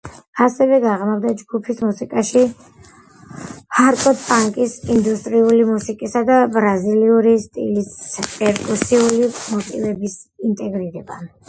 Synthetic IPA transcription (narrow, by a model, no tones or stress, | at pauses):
asɛvɛɡaʁmavd̪ad͡ʒɡupʰismusikʼaʃi | aɾkʼɔd̪pʼaŋkʼisind̪ust̪ʼɾiulimusikʼisad̪abɾaziliuɾist̪ʼḭlispʼɛɾkʼusiulimɔt̪ʼivɛbisint̪ʼɛɡɾiɾɛba